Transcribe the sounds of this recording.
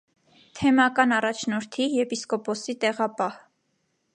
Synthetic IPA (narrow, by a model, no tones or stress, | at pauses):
t̪ʰɛmɑkɑnɑrɑt͡ʃʰnɔɾt̪ʰijɛpiskɔpɔsit̪ɛʁɑpɑh